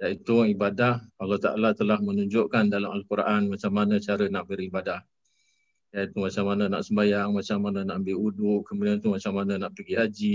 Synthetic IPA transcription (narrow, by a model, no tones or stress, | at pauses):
jaʔit̪uibadahalaht̪aʔa̰lat̪əlahmənuɲd͡ʒʊʔkandalamalkuɾʔanmat͡ʃamanə̃t͡ʃaɾənaʔbəɾibadah | jaʔit̪umat͡ʃaŋmanana̰ʔsəmbajaŋmat͡ʃamanãnaʔəmbɪudʊʔkəmudiant̪umat͡ʃaŋmanãnaʔpəɡiɦad͡ʒi